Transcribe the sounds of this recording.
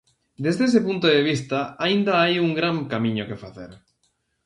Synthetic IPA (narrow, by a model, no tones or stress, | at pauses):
d̪ezðees̬epunt̪oðeβ̞ist̪aaind̪aajuŋɡɾaŋkamĩɲokefaθḛɾ